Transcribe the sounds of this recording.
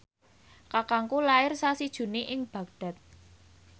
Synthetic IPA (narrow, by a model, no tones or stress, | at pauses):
kakaŋkulaɪrsasid̥ʒ̥ṳneʔɪŋb̥ä̤k̚d̥a̤t̪̚